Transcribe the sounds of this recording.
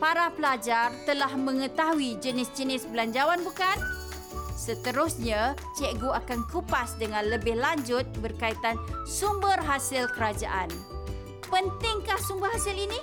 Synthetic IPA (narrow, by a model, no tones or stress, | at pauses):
paɾapəlad͡ʒart̪əlahməŋət̪aɦuid͡ʒənɪsd͡ʒənɪsbəlaɲd͡ʒawanbukan | sət̪əɾʊsɲat͡ʃɛɡuakankupasdəŋanləbɪhlaɲd͡ʒʊt̪̚bərkait̪ansumbərɦasɪlkəɾad͡ʒa̰ʔan | pənt̪ɪŋkahsumbərɦasɪlini